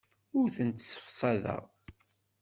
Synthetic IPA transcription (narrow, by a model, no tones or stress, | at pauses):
ʊɾθənt̪sə̥fsˤɑðæ̰ʁ